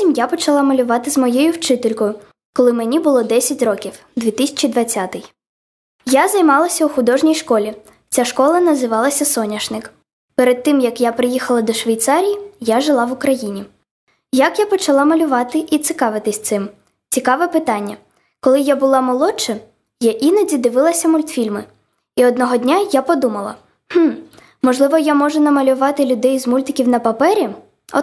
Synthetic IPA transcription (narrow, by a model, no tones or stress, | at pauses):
sʲimjapɔt͡ʃɐlˠɑmɐlʲʊʋɑt̪ɪzmɔjɛjʊwt͡ʃɪt̪elʲkɔjʊ | kɔlˠɪmenʲibʊlˠɔd̪ɛsʲɐtʲrɔkʲiw | d̪ʋʲit̪ɪsʲɐ̥t͡ʃid̪ʋɐt͡sʲːat̪ɪj | jazɐjmɑlˠɐsʲɐʊxʊd̪ɔʒnʲijʃkɔlʲi | t͡sʲaʃkɔlˠɐnɐzɪʋɑlˠɐsʲɐsɔnʲɐʃnɪk | peɾed̪̚t̪ːɪmjɐkjapɾɪjixɐlˠɐd̪ɔʃʋʲɐjt̪sɑɾʲijijaʒɪlˠɑʋʊkɾɐjinʲi | jɐkjapɔt͡ʃɐlˠɑmɐlʲʊʋɑt̪ɪʔit̪sɪkɑʋɪt̪ɪsʲt̪sɪm | t͡sʲikɑʋɛpɪt̪ɑnʲːɐ | kɔlˠɪjabʊlˠɑmɔlˠɔt͡ʃɐ | jaʔinɐdʲid̪ɪʋɪlˠɐsʲɐmʊlʲt̪fʲilʲmɪ | iɔd̪nɔɦɔd̪ʲnʲajapɔd̪umɐlˠɐ̰ | h̩ | mɔʒlˠɪʋɔjamɔʒɛnɐmɐlʲʊʋɑt̪ɪlʲʊd̪ɛjzmulʲt̪ɪkʲiwnɐpɐpɛɾʲi | ɔ̰